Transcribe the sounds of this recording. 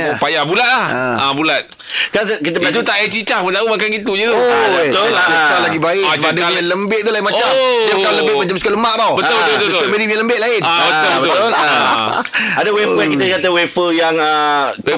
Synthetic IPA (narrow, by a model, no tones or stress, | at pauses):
upajabulat̪̚laabulat̪̚ | kansəkit̪̬ət̪ut̪aʔat͡ʃit͡ʃahpʊnt̪aʔumakanɡit̪uɲət̪uət̪olat͡ʃit͡ʃalaɡibaɪʔaadaaŋanləmbɪʔt̪ulaɪnmat͡ʃaaaləbɪʔmat͡ʃamsəkələmaʔd̪awbəolbəobt̪okomedibiɲanləmbɪʔlaɪnabət̪olbəbət̪ol | adəwefəjaŋkit̪əkat̪əwefəjaŋəw